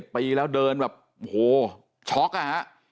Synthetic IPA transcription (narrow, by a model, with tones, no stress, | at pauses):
t̪̚piː˧lɛː˦˥wdɤː˧nbɛː˨˩p̚ʔo˨˩hoː˨˩ | t͡ɕʰɔ˦˥k̚la˧˩ha˦˥ʔ